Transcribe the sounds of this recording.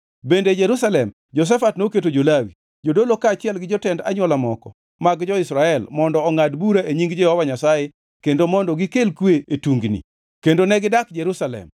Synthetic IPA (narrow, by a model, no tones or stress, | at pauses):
bended͡ʒeɾusalɛm | d͡ʒɔs̬ɛfatnoketod͡ʒolawi | d͡ʒodolokaːt͡ʃɪɛlɡɪd͡ʒɔtɛnda̰ɲwɔlamɔkɔ̰ | maɡd͡ʒɔɪsɾaɛlmɔndɔːŋadbuɾaʔeɲiŋɡd͡ʒɛhɔwaɲasaje | kendomɔndɔɡɪkelkweetuŋɡnḭ | kendonɛɡɪdakd͡ʒeɾusalɛ̰m